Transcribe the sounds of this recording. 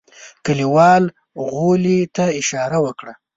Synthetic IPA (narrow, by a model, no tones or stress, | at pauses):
kəliwɑl | ɣolit̪aɪʃɑɾawəkɽa